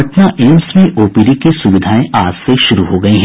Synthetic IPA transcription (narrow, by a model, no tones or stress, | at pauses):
ɐʈnaʔeːmsmẽʔoːpiɾikesʊʋɪd̪ʱaːẽʔaːd͡ʒseʃʊɾuɦoɡɐiɦɛ̃